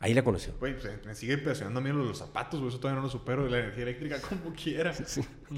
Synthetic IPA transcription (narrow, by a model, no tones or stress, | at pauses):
a̰ilakonosjo̰wejsemesiɣepeasjonã̰nd̪oamiðloðelo̞sːapa̰t̪os̬woesot̪oajanolos̬upe̞ɾoðelaeneɾxiaele̞k̚t̪ɾikakʰomokʰjeɾasi